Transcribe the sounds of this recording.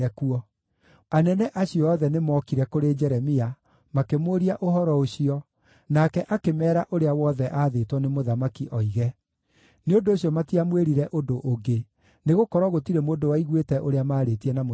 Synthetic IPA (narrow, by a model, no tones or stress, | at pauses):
ɛkuɔ | anɛnɛʔaɕiɔɔːðɛnemɔːkiɾɛkoɾed͡ʒɛɾɛmia | makemoɾiaʔoɦɔɾɔoɕiɔ | nakɛʔakemɛːɾaʔoɾeawɔðɛʔaːðeːtwɔnemoðamakiʔɔiɣɛ | neondoːɕjɔmatiamweɾiɾɛʔodoʔːɡe | neɣokɔɾwɔɣotiɾemoːndowaiɣwetɛʔoɾeamaːɾetiɛnamo